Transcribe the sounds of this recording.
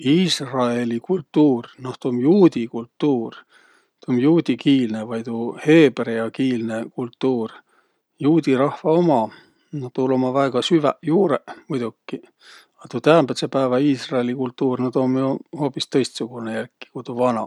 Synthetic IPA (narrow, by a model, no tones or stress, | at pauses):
iːsrɑe̞likult̪ːuːrnoht̪omjuːd̪ikult̪ːuːr | t̪omjuːd̪̥ʲikiːlnevɑjt̪uhe̞ːbrejɑkiːlne̞kult̪ːuːr | juːd̪̥ʲiɾɑhvɑo̞mɑ | not̪ulo̞mɑvæeɡ̥ɑsyvæjuːɾemujd̪̥ukːi | ɑt̪ut̪æːmb̥et̪sepæːvɑiːsrɑelikult̪ːˑuːrnɑd̪̥o̞mjuho̞ːpist̪ɤ̞jst̪suɡ̥unejærkːi̥kujt̪uvɑnɑ̰